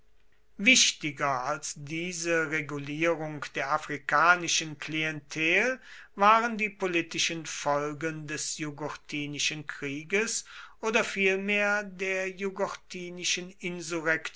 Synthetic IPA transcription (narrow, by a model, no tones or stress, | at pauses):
vɪʃtɪɡɐalsdiːzəʁeɡuliːʁʊŋkd̥eːɐʔafʁ̥ikaːnɪʃənkliɛntʰɛːlvaːʁəndiːpolitɪʃənfɔlɡəndɛsjuɡɔtʰiːnɪʃənkʁ̥iːɡəsʔoːdɐfiːlmeːɐdeːɐjuɡɔtʰiːnɪʃənɪnzuʁɛk